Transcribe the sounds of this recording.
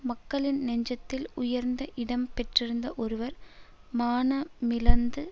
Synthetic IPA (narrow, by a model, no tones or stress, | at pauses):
mɐkːɐɭɪnːɛɲd͡ʒɐt̪ːɪlʊjɐɾnd̪ɐʔɪɽɐmpɛʈrɪɾɯnd̪ɐʔɔɾɯʋɐɾmaːnɐmɪlɐnd̪ɯ